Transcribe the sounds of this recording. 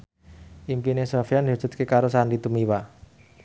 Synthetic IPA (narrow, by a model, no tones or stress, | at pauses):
ʔimpinesofijand̪iɦad̥d͡ʒ̥ṳt̪̚kekaɾosanit̪umiwa